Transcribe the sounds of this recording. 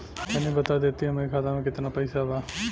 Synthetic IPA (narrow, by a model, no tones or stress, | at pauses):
ənibət̪ad̪et̪iəmeɾikʰat̪amẽkɪt̪napəjsaba